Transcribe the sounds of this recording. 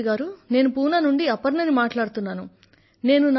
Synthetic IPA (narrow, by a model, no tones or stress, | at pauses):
ɡaːɾune̞ːnupuːnɐnuɳɖiɐpɐɾnɐnimaːʈlaːɽut̪unːaːnu | ne̞ːnun